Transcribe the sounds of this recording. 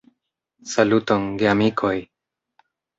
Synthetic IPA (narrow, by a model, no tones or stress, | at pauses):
salutoŋɡeamikʰoj